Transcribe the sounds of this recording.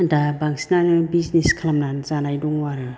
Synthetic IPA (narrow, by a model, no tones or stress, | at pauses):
dabaŋsinanɯbizniskʰlamnanzanajduŋwaɾɯ